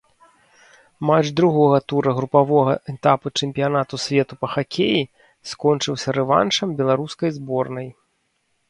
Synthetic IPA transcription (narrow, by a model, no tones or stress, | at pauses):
mat͡ʂd̪ɾuɣɔɣɐt̪uɾɐɣɾupavɔɣɐʔɛt̪aput͡ʂɛmʲpʲijanat̪usʲvʲɛt̪upɐxakʲʰeji | skɔnt͡ʂɨwsʲɐɾɛva̰nʂɐmbʲɛlˠaɾuskɐjzbɔrnɐj